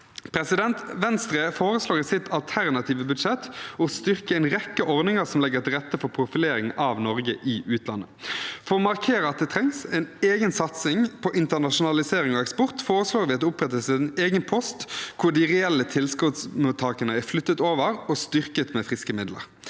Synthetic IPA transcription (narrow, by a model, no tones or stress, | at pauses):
pʰɾɛsɪd̪ɛnt̪ʋɛnst̪ʁeːfoːɾəsloːɾɪsɪt̪ʰɑlt̪ʰæʁnɑt̪ʰiːʋəbʉd̪ʂɛt̪ːɔst̪ʏʁkəɛɪnʁɛkːəʔɔɾd̪nɪŋəsɔmlɛɡːəʁt̪ɪʁɛt̪ːəfɔʁpʰɾʊfɪleːɾɪŋɑʋnɔʁɡəʔɪʔʉːt̪ʰlɑ̰nːəfɔɾɔmɑʁkʰeːɾəɑt̪̚d̪ɛt̪ʰʁɛŋsɛɪneːɡənsɑt̪sɪŋpʰɔʔɪnt̪ənɑʃʊnɑlɪseːɾɪŋɔɛkspɔʁt̪foːʁəsloːʁʋɪːɑt̪d̪ɛʊpʁɛt̪ːəsɪneːɡənpʰɔst̪kʰʊɖɪʁɛɛlːət̪ʰɪlskʊt̪smut̪ʰːɑːkənəæflʏt̪ːət̪oːʋəʁɔst̪ʏʁkət̪mɛfʁɪskəmɪd̪lə̰ʁ